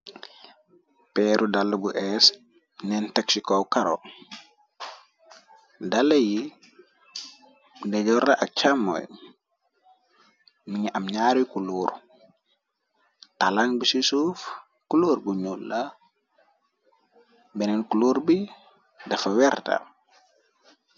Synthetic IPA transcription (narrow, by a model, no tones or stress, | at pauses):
pɛɾudalːobuʔɛs | nɛntaksikowkaɾo̰ | daleji | dɛɟɔɾaʔak̚t͡ʃamːo̰j | miɲiʔamɲaːɾikuluːɾ | talaŋbisisuf | kuluːɾbuɲulːa | bɛnɛnkuluːɾbi | dɐfɐwɛɾta̰